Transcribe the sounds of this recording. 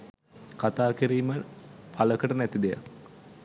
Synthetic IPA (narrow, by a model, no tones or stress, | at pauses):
kat̪aːkiɾiːməpʰaləkəʈənæt̪id̪eja̰k